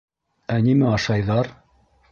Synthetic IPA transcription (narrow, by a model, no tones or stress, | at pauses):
ænimæɑʃɑjðɑɾ